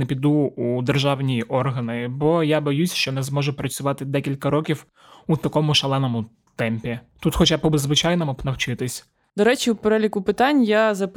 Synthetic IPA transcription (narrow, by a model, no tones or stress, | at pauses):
nepʲid̪uud̪erʒɑwnʲijiʔɔrɦɐnɪbɔjabɔjusʲʃt͡ʃɔnɛzmɔʒʊpɾɐt͡sʲʊʋɑt̪ɪd̪ɛkʲilʲkɐɾɔkʲiw | ut̪ɐkɔmʊʃɐlˠɛnɔmʊ | t̪ɛmpʲit̪ut̪xɔt͡ʃabpɔbɪzʋɪt͡ʃajnɔmʊpnɐwt͡ʃɪt̪ɪsʲ | d̪ɔɾɛt͡ʃʲiupeɾɛlʲikʊpɪt̪ɑnʲjazɐp